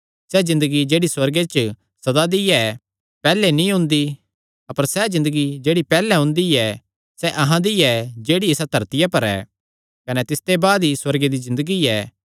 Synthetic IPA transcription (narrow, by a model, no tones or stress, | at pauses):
sɛzɪ̃nd̪əɡid͡ʒeːɽiswɐɾɡet͡ʃ | sɐd̪ad̪iɛ | pɛːlɛnĩɦʊ̃nd̪i | ɐpəɾsɛzɪ̃nd̪əɡid͡ʒeːɽipɛːlɛɦʊ̃nd̪iɛ | sɛʔɐɦãd̪iɛd͡ʒeːɽiɪsad̪ʱɐɾt̪ɪjapɐɾɛ̰ː | kɐnɛt̪ɪst̪ebaːd̪iswɐɾɡed̪izɪ̃nd̪əɡiɛː